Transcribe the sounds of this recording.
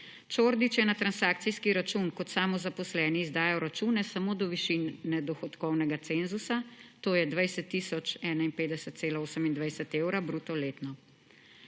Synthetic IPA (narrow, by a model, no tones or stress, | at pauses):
t͡ʃoːɾd̪it͡ʃjɛnat̪ɾansaːk̚t̪sijskiɾat͡ʃunkɔt̪saːmɔzapɔslɛːniːzd̪aːjɔɾat͡ʃuːnɛsamoːd̪ɔʋiʃinːɛd̪ɔxɔt̪kɔwnɛɡat̪senzusat̪oːjɛd̪ʋajsɛt̪ːiːsɔt͡ʃɛːnainpeːd̪ɛsɛt̪t̪seːlaoːsəmind̪ʋajsɛt̪eːwɾabɾuːt̪ɔleːt̪nɔ